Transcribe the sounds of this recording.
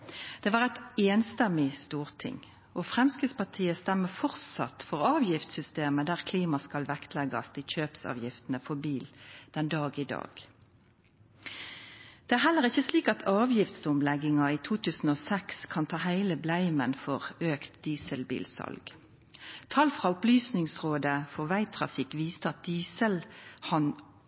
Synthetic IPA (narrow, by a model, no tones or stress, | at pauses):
d̪̥ɛːʋɑːʁæt̪eːnst̪ɛmɪst̪uːʁt̪ʰɪ̰ŋ | ɔfʁɛmskəspɑʁt̪ʰiːəst̪æmːəfɔʁt̪sɑ̰t̪fɔʁɑːʋjɪft̪sʏst̪eːməd̪æːʁkʰliːmɑskɑlʋɛkt̪ʰlɛɡɑ̰sd̪ɪçøːpsɑ̰ːʋjɪft̪ən̩əfɔbiːld̪̥ɛnd̪ɑːɡiːd̪ɑ̰ːɡ̥ | d̪̥ɛːæːʁɦhɛlːəʁɪçːəsliːkɑt̪ʰɑːʋjɪft̪sʊmlɛɡɪŋɑiːt̪ʰuːt̪ʰʉːsn̩oːsɛkskʰɑnt̪ʰɑːhæɪləblæɪmənfɔʁøːkt̪d̪iːsəlbḭːlsɑ̰lɡ̥ | t̪ʰɑlfʁɑːʊplyːsnɪŋsʁoːd̪əfɔʋæɪt̪ʰʁɑ̰fɪkʋiːst̪əɑt̪̚d̪iːsəlhɑn